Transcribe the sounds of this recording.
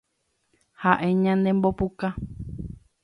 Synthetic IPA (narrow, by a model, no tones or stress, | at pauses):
haʔẽɲãnẽmbopuka